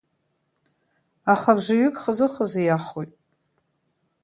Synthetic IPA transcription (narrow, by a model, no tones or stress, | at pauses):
aχabʐɨɥʏkʼχəzɨχəzijaχojtʼ